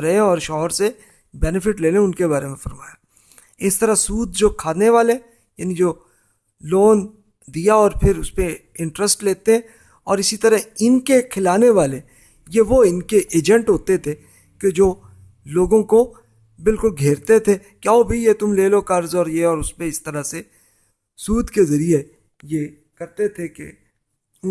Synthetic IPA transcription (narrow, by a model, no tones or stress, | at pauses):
ɾɐɦẽɔːɾʃɔːɦəɾse | bɛːnɪfɪʈleːlẽʊnkebaːɾemẽfɐɾma̰ːjaː | ɪst̪ɐɾasuːd̪̚d͡ʒoːkʰaːneʋaːle | jaːnid͡ʒoː | loːn | d̪ijaɔːɾpʰɪɾʊspe | ɪ̃ɳʈɾəsʈleːt̪eɦɛ̃ | ɔːɾɪsit̪ɐɾəɦɪnkekʰɪlaːneʋaːle | jeʋoɪnkeʔeːd͡ʒɛ̃ɳʈɦoːt̪et̪ʰe | ked͡ʒoː | loːɡõko | bɪlkʊlɡʱeːɾt̪et̪ʰe | kjaːobʱijet̪ʊmleːlokɐɾzɔːɾjeɔːɾʊspẽɪst̪ɐɾase | suːd̪ʱkezɐɾije | je | kɐɾt̪et̪ʰekḛ